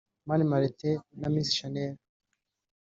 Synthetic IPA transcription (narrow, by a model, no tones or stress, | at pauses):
manimaɾetenaminsi̥ʃaneɾ